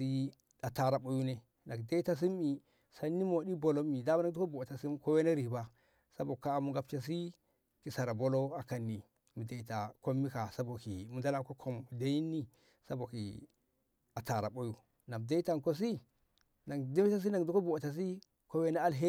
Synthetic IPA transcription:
i˦ | a˨ta˨ɾa˨ɓo˦ju˦ne˨ | na˨kde˦i˦ta˦s̬i˦mːi˨ | sa˦nːi˦mo˨˦di˦bo˨lo˦mi˨da˦ba˦˨du˦ko˦bo˨ta˨si˦mko˦we˦na˦ɾi˨ba˨ | sa˦bo˨ka˦˨mu˨ɡa˦p̚t͡ʃa˨s̬i˦ | ki˨sa˨ɾa˨bo˦lo˦a˨ka˨nːi˨ | mu˨de˨i˦ta˨ko˦mːi˦ka˨sa˦bo˨ki˨mu˨nda˦la˦ko˦kʰo˦m˨da˦ji˦nːi˦ | sa˦bo˨kḭ˨ | a˨ta˨ɾa˨ɓo˦ju˦ | na˨m˨de˦i˦ta˨ŋko˦s̬i˦ | na˨kdi˦mi˦ta˦s̬i˦na˨kdu˦ko˦bo˨ta˨s̬i˦ | ko˦we˦na˦a˦lɦe˦

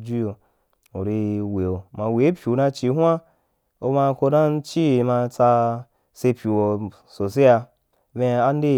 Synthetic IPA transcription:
d͡ʒu˦jo˧ | o˨ɾi˧we˨o˨mã˧we˨˦pʲi˨˧nã˧t͡ʃi˧˦ɦwa˦ | o˧ma˧ko˧na˦n˦t͡ʃi˦˨mã˧t͡sa˧ | se˧pʲi˨wo˨ | so˨s̬e˦a˧ | βẽ˧a˦n˦de˦˨

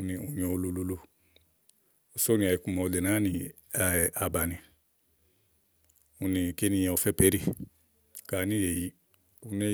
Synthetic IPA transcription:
u˧nĩ˧˨u˨ɲɔ˨o˧lo˧lo˧lo˧ | o˧so˦nĩ˧˨a˨i˨ku˦mã˧ɔ˧dɛ˨na˨˦nĩ˧ | a˨a˨ba˨nĩ˧ | u˧nĩ˧˨ke˦nĩ˧jɛ˧ɔ˧fɛ˦pɛ˨˦ɾi˦ | ka˨nĩ˦je˨ji˧˦ | u˧˦ne˦

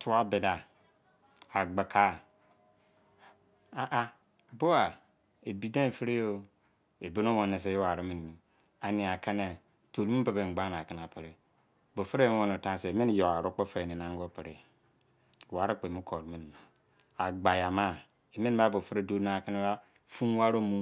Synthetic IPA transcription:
tʰu˦a˦be˨da˨ | a˨ɡ͡ba˨kʰa˦ | a˨ʔa˦ | bo˦a˨ | e˨bi˨da˦˨fi˦ɾe˦jo˦ | e˨bo˦no˦ŋo˨nːe˨s̬e˦jo˦wa˨ɾi˦mi˦n˨u˨ | a˨ni˨a˨ke˦ne˦ | to˨lmi˦ba˨be˨ɡ͡ba˦n˨a˨ki˨na˨pi˨ɾi˨ | bo˨fi˦ɾe˦o˦no˨ta˦˨se˨mi˦n˨jo˨a˨ɾo˦k͡po˦fɾe˨i˨na˦ŋ˦ɡo˦pi˨ɾi˨ | wa˨ɾa˦k͡pe˨mu˦kʰo˨ɾmi˦n˨o˨ | a˨ɡ͡ba˨ja˨ma˦ | e˨mi˦n˦ma˦bo˨fi˦ɾe˦do˦na˦˨ki˦ne˦a˦ | fu˦wa˦ɾo˦mu˦

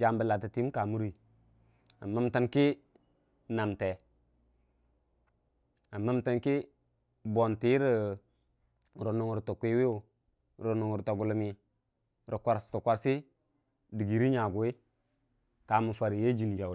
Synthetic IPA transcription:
d͡ʒa˨mbə˨la˨ti˨ti˦m˦ka˨mu˦ɾi˨ | a̰˨mːa˦mtə˦nki˦ | na˨mte˨ | a˨mːa˦mtə˦nki˦ | bo˨nti˦ɾi˨ | ɾo˨nu˨ŋu˨ɾto˨kʷi˦wi˦u˦˨ | ɾo˨nu˨ŋu˨ɾta˨ɡu˨lmi˨˦ | ɾə˨kʷa˦ɾstu˨kʷa˦ɾsi˦ | di˨ɡi˨ɾi˦ɲa˨ɡu˨˦i˦ | ka˨mu˨fa˨ɾi˨je˦d͡ʒi˨n˨d͡ʒa˨

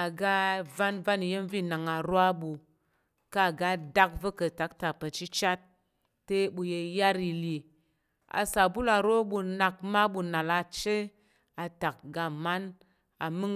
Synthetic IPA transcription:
a˨ɡa˦va˦nva˦ni˨je˦mvi˦na˨ŋa˨ɾwa˦ɓu˨ | ka˦ɡa˧da˦k̚və˦kə˨ta˨˦kta˨pə˨t͡ʃi˦t͡ʃa˦t̚ː | e˦ɓu˧je˧ja˦ɾi˧li˨ | a̰˨sa˨bu˦la˧ɾo˦ɓu˧na˧k̚ma˦ɓu˧na˨la˧t͡ʃe˦ | a˧ta˨k̚ɡa˧ma˦n | a˨mɨ˦ŋ

